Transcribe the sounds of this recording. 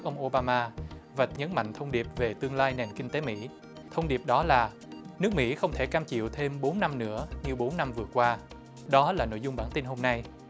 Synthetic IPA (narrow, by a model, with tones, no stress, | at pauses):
k̚ʔə˧wŋ͡mʔo˧ɓaː˧maː˧və˨˩t̚ɲə˨˦nma̰˧˨ŋ̟t̪ʰə˧wŋ͡mɗi˨˩p̚ve˨˩t̪ɨ˧əŋlaː˧jnɛ˨˩nkï˧ŋt̪e˨˦mḭ˧˥ | t̪ʰə˧wŋ͡mɗi˨˩əp̚ɗɔ˨˦laː˨˩ | nɨ˦˥ək̚mḭ˧˥xə˧wŋ͡mt̪ʰe˧˩kaː˧mt͡ɕḭ˧˨əwt̪ʰe˧mɓo˨˦nna˧mnɨ̰˧˥əɲɨ˧ɓo˨˦nːa˧mvɨ˨˩əkwaː˧ | ɗɔ˨˦laː˨˩no̰˧˨jzʊ˧ŋ͡mɓaː˧˩nt̪i˧nɦo˧mna˧j